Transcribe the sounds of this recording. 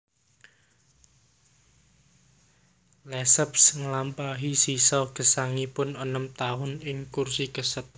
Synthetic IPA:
lɛsəpsŋəlampaɦisisɔɡ̥ə̤saŋipʊnɔnəmt̪aɦʊnɪŋkursiɡ̥əsət̪̚

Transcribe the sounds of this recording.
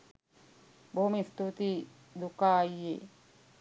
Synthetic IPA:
bʱomist̪ut̪i | d̪ukaːjḛ

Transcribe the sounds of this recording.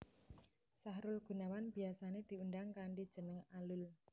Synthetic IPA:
saɦɾʊlɡ̥ṳnawanb̥i̤asaned̪̥i̤uɳɖaŋkaɳɖid̥ʒ̥ə̤nəŋalʊl

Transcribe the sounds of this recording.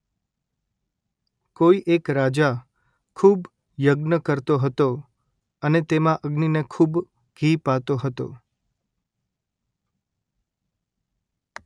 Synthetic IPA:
koiʔekɾad͡ʒa | kʰub | jəɡnəkəɾt̪oɦət̪o | ənet̪emãʔəɡninekʰub | ɡ̥ʱipat̪oɦət̪o̰

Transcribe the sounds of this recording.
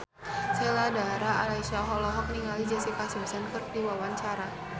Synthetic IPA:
sɛladaɾaalaisaɦɔlɔɦɔk̚niŋalid͡ʒasikasumsankɨrdiwawaɲt͡ʃaɾa

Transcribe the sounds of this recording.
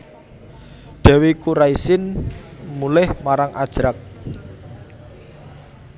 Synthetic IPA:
ɖ̪̥ɛ̤wikuɾaisɪnmulɪhmaɾaŋad̥ʒ̥ɾak̚

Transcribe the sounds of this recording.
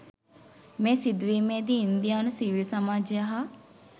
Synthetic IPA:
mẽːsid̪ʋiːmeːd̪iːnd̪ijaːnusiʋilsɐmaːd͡ʒjəɦɐ

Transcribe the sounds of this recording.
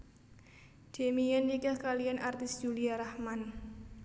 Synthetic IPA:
d̥e̤mijɛnikəhkalijanʔart̪ɪsʒ̥uliaɾahman

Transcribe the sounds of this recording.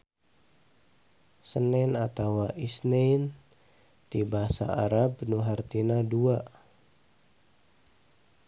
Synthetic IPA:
sənɛnat̪awaʔisnain | t̪ibaasa̰a̰ɾabnuɦart̪inadua

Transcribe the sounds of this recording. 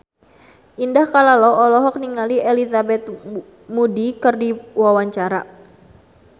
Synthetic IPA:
ʔindahkalalɔɔlɔɦɔk̚niŋalielizabɛt̪̚ | mudikɨrdiwawaɲt͡ʃaɾa

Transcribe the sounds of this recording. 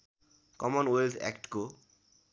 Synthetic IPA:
kɔmɔnwelt̪ʰɛ̰kʈko

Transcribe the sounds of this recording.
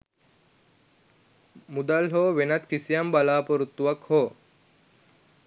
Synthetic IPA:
mud̪alɦoːʋenɐt̪kisijambalaːpoɾut̪ːuʋɐkhoː

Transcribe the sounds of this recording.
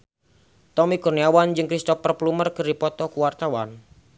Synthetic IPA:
t̪ɔmikurniawand͡ʒɨŋkɾist̪ɔfərplumərkɨrdipɔt̪ɔkuwart̪awan

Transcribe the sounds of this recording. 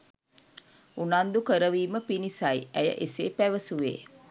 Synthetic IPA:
unand̪ukəɾəʋiːməpinisajæjə̰ʔeseːpæʋəsuʋḛː

